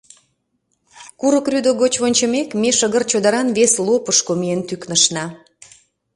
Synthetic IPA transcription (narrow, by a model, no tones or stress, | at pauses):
kuɾəkrʲyd̪oɣot͡ɕβonʲt͡ɕəmekmeʃəɣərt͡ɕod̪ɑɾɑnβeslˠopəʃkomient̪yknəʃnɑ